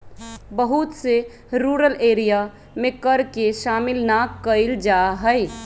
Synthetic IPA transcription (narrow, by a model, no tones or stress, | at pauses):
bəɦʊt̪se | ɾuːɾəleːɾija | mẽkəɾkeʃaːmɪlnakkəɪld͡ʒaːɦɛj